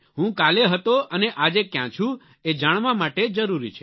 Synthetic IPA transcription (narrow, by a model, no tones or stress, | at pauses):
ɦũkaleɦət̪oəneʔad͡ʒekjã̰t͡ʃʰũ | ed͡ʒaɽ̃ʋamaʈed͡ʒəɾuɾḭt͡ʃʰe̥